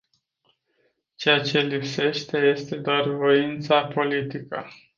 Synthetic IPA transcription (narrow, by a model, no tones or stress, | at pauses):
t͡ʃejat͡ʃe̞lipse̞ʃt̪e̞je̞st̪e̞d̪oarvo̞int̪sapo̞lit̪ikə̰